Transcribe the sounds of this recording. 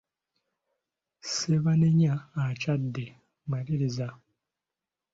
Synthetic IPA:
seβaneɲaːt͡ʃadːe | maliɾiza

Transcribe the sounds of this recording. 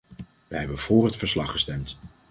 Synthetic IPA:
ʋəɦɛbənv̥ʊːɹɦətfəɹslɑχəstɛmt

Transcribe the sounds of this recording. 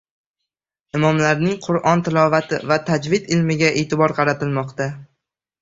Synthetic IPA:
ɪmɒmlaɾnɪŋqʰʊɾʔɒnt̪ʰɪlɒvat̪ʰɪvat̪ʰad͡ʒvɪd̪ɪlmɪɡʲaʔeːt̪ʰɪbɒɾqʰɑɾat̪ɪlmɒqt̪a

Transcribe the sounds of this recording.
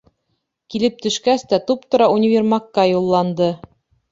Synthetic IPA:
kilɘp̚t̪ɵ̆ʃkæst̪æt̪upt̪ŏɾɑunʲɪvʲermɑkːɑjulˠːɑnd̪ɤ

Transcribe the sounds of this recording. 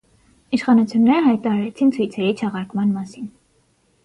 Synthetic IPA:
iʃχɑnut͡sʰjunːɛɾəɦɑjt̪ɑɾɑɾɛt͡sʰint͡sʰujt͡sʰɛɾit͡ʃʰɑʁɑɾkmɑnmɑsin

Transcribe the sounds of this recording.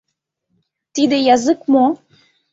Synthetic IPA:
t̪id̪ejazɨkmɔ

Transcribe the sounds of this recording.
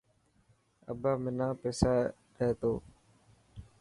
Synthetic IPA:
ə̰baːmɪnãːpeːsaː | ɾeːt̪oː

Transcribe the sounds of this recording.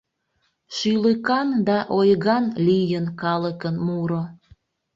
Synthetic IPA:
ʃyləkɑnd̪ɑʔojɣɑnlijənkɑləkənmuɾo

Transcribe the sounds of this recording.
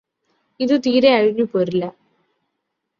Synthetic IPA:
iðɨt̪iːɾeɐɻiɲːupːoɾilːɐ

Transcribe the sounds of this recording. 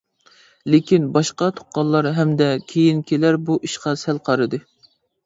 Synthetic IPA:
lekʲinbɑʃqɑt̪ʰo̥qqːɑlˠːɑɾɦɛmd̪ɛkʲʰejinkʲʰelæɾbuʔiʃqɑsælqʰɑɾɨd̪ɨ

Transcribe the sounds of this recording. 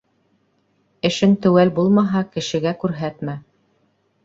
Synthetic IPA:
ɘ̆ʃɘnt̪ɵ̆wælbulˠmɑɦɑkɘ̆ʃɘ̆ɡækʉɾɦæt̪mæ

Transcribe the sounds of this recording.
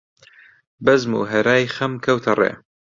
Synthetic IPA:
bɐzmṵːɦɐɾaːjχɐmkʰɐwt̪ʰɐrḛː

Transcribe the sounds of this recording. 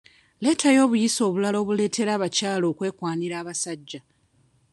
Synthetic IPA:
le̞ːtajo̞ːβujiso̞ːβulaloːβule̞ːtʰe̞ɾaːβacaːlo̞ːkwe̞ːkwaːniɾaːβasaɟːa

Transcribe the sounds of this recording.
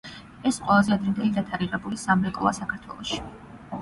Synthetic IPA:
ɛsqʼwɛlˠazɛad̪ɾɛnd̪ɛlid̪at̪ʰaɾiʁɛbulisamɾɛkʼˠa̰sakʰaɾt̪ʰwɛ̰lˠɔʃi̥

